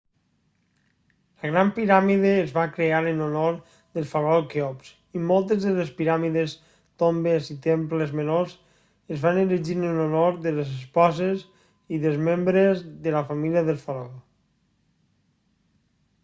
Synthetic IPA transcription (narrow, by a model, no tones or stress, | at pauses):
ləɣɾampiɾamiðeːzβakɾeaɾənonoɾ | ðəlˠfalɔlkeɔps | imolˠt̪əzðəlespiɾamiðes | t̪ombezit̪emplezmenoz | əzβaneliʒiɾnənonoɾðələzəspɔzes | iðəlˠzmembɾezðələfamiliəðəlˠfaɾɔ